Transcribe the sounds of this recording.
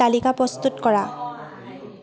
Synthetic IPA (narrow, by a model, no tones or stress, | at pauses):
alikapɹɔst̪utkɔɹa